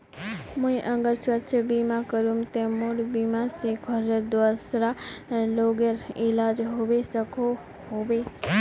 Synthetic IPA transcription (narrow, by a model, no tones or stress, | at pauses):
mũĩʔə̃ŋɡəɾsʋətʃʰəbimãkəɾumt̪ẽmoɽbimãseɡʰʱɔɾed̪ʋasɾaloɡeɾilad͡ʒɦoʋesəkʰo | hoʋe